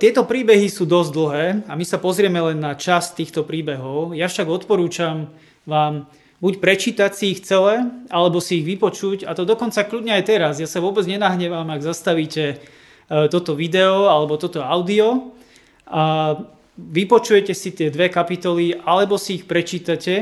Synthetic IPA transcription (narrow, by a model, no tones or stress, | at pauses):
t̪ɪɛt̪ɔpɾiːbɛɦisuːd̪ɔzɟd̪l̩ˠɦɛːamisapɔzɾɪɛmɛlɛnːat͡ʃast̪iːxt̪ɔpɾiːbɛɦɔʊjafʃaɡɔt̪pɔɾuːt͡ʃam | ʋaːm | bucpɾɛt͡ʃiːt̪acsiːxt͡sɛlɛʔalɛbɔsiːɣʋipɔt͡ʃuɟat̪ɔd̪ɔkɔnt͡sakʎudɲɛajt̪ɛɾazjasaʋʊɔbɛd͡zɲɛnaɦɲɛʋamaɡzast̪aʋiːcɛ | t̪ɔt̪ɔʋid̪ɛɔalɛbɔt̪ɔt̪ɔaʊd̪iɔ | a | ʋipɔt͡ʃujɛcɛsit̪ɪɛd̪ʋɛkapit̪ɔliʔalɛbɔsiːxpɾɛt͡ʃiːt̪acɛ